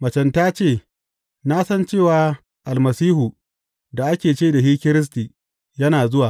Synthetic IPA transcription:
mɐ˨t͡ʃɛ˨ntaː˦t͡ʃeː˦˨ | naː˦sɐ˦nt͡ʃeː˦˨waː˨ | ʔa˨lmɐ˨siː˦hu˨ | da˨ʔa˦kʲeː˨t͡ʃeː˦da˨ɦiː˦kʲɪ˦ɾɪ˦s̬tiː˨ | jɐ˦naː˨zʊ˦waː˨

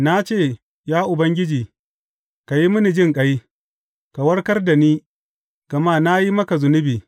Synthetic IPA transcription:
na˦t͡ʃeː˦˨ | jaː˦ʔʊ˨bɐ˦ŋɡʲɪ˦d͡ʒiː˨ | ka˨ji˦mʊ˦ni˨d͡ʒɪ˦ŋkʼɐ˦j | ka˨wɐ˦ɽkɐ˦rda˨niː˦ | ɡ̥ɐ˨maː˦˨na˦ji˦mɐ˦ka˨zʊ˨nʊ˦biː˨

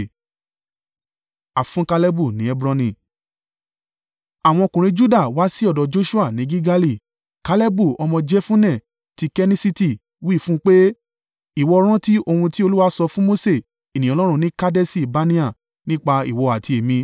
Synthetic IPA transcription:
a˨fũ˦ka˧lɛ˦bu˦˨nĩ˨˦ɛ˦bɾɔ̃˧nĩ˨ | a˨w̃ɔ̃˧o˧kũ˨ɾ̃ĩ˧d͡ʒu˦da˦˨wa˨˦si˦ɔ˦˨dɔ˨d͡ʒo˦ʃu˦a˦˨nĩ˨˦ɡi˦ɡa˦li˦˨ | ka˨˧le˦bu˦˨ɔ˧mɔ̃˧d͡ʒɛ˦fũ˦nɛ̃˦˨ | ti˧kɛ˦nĩ˦si˦ti˦˨ | wi˦˨fũ˦k͡pe˦ | i˦˨wɔ˧ɾ̃ã˦ti˦o˧hũ˧ti˦o˧lu˦wa˦sɔ˧fũ˦mo˦se˦˨ | i˨nĩ˨ɔ˨˧lɔ˦ɾ̃ũ˧˦nĩ˦ka˦dɛ˦si˦˨ba˨˦nĩ˦a˦˨ | nĩ˦k͡pa˧ḭ˨wɔ˧a˨ti˧e˨mĩ˧

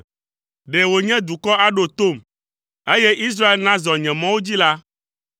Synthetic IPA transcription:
ɖe˨wo˨ɲɛ̃˦d̪u˨kɔ˦a˦ɖo˨t̪o˦˨m | e˦jɛ˦ʔi˦s̬ɾa˦e˦lnã˦zɔ˨ɲɛ̃˨mã˦wo˦d͡ʑi˦la˦

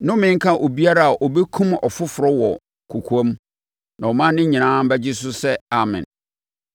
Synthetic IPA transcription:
nʊ̃˦mɪ̃˦ŋ̩˦kʰã˦ʔo˨bi˦a˦ɾa˦a˨ʔo˨bɛ˦kʰũ˦mɔ˨fʊ˦fʊ˨ɾɔ˦wɔ˨ | kʰu˨kʰu˦a˦m | nã˨ɔ˨mã˦nɪ̃˦ɲĩ˨nãː˦m̩˦bɛ˦d͡ʑɪ˦s̬ʊ˦sɛ˦a˨mɪ̰̃˨n

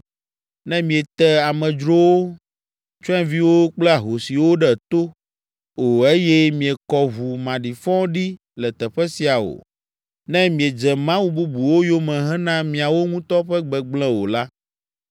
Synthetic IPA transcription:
nɛ̃˦mĩ˨e˨t̪ɛ˦a˨mɛ̃˨d͡ʒɾo˦wo˦ | t͡ʃɔ˦ɛ̃˦vi˦wo˦k͡plɛ˦a˨ɦo˨si˨wo˦ɖɛ˦˨t̪o˦ | o˨e˦jɛ˦mĩ˨e˨kɔ˨βu˨mã˨ɖi˨fɔ̃˦ɖi˦ | lɛ˨t̪ɛ˨ɸɛ˦si˨a˨wo̰˨ | nɛ̃˦mĩ˨e˨d͡ʒɛ˨mã˦wu˦bu˦bu˨wo˦jo˦mɛ̃˨ɦɛ̃˦nã˦mĩ˨a˨wo˦ŋũ˦t̪ɔ˦ɸɛ˦ɡ͡bɛ˨ɡ͡blɛ̃˦wo˨la˦

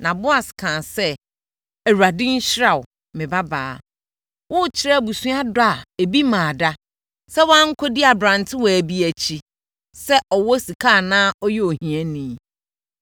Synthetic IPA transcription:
nã˨bʊ˦a˨skʰãː˨sɛ˦ | æ˨ɾu˨a˨dɪ̃˦n̩˦ɕɾa˨ʊ˨ | mɪ̃˨ba˦baː˨˦ | wʔʊ˦˨t͡ɕʰɪ˦ɾɛ˦˨bu˨sũ˦a˦dʊ˦a˨e˨bi˦mãː˨da˦ | sɛ˦wã˦ŋ̩˦kʷʰɔ˦di˦a˨bɾã˨ntʰɪ˦wɔ˨æ˨bi˦æ˨t͡ɕʰi˦ | sɛ˦ʔɔ˨wɔ˦si˨kʰa˦˨nãː˦ɔ˦jɛ˦o˨hĩ˨ɛ˦nĩ˨

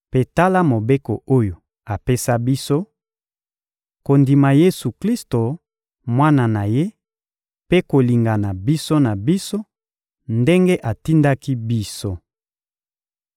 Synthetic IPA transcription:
pe˨ta˦la˦mo˨be˦ko˨o˦jo˨ | a˨pe˦sa˦bi˦so˦ | ko˨ndi˨ma˨je˦su˨kli˦sto˨ | mwa˦na˨na˨je˦ | pe˦ko˨li˨ŋɡa˨na˨bi˦so˦na˨bi˦so˦ | nde˦ŋɡe˦ʔa˨ti˦nda˦ki˦bi˦so˦

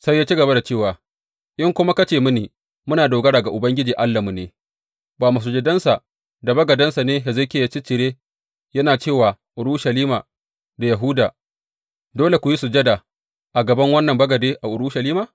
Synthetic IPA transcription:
sa˦jːaː˦t͡ʃi˦ɡɐ˨ba˦da˨t͡ʃeː˦˨waː˨ | ʔɪ˦ŋkʷʊ˦ma˦kɐ˦t͡ʃeː˨mʊ˦ni˨ | mʊ˦naː˨doː˨ɡɐ˦ɽaː˨ɡa˨ʔʊ˨bɐ˦ŋɡʲɪ˦d͡ʒiː˨ʔa˦lːa˨mʊ˨neː˦ | baː˨ma˨s̬u˦d͡ʒɛ˦dɐ˦nsa˨ | da˨bɐ˦ɡɐ˨dɐ˦nsa˨neː˦ja˨zɐ˦kʲeː˨ja˦t͡ʃi˦t͡ʃɪ˨ɾeː˦ | jɐ˦naː˨t͡ʃeː˦˨waː˨ | ʔʊ˨ɽuː˦ʃɐ˨liː˦maː˨ | da˨jɐ˨ɦʊ˦daː˨ | doː˦le˨kʷʊ˨ji˦su˨d͡ʒɐ˦da˨ | ʔa˨ɡɐ˨bɐ˦ŋwɐ˦nːɐ˨mbɐ˦ɡɐ˨deː˦ʔa˨ʔʊ˨ɽu˦ʃɐ˨liː˦maː˨

